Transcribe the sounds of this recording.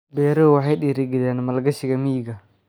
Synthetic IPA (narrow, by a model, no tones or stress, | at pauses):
bɛːɾɔwɑħɑjɗiːɾɪɡɪðɛːnmɐlɡɐʃɪɣɐmiːɡɐ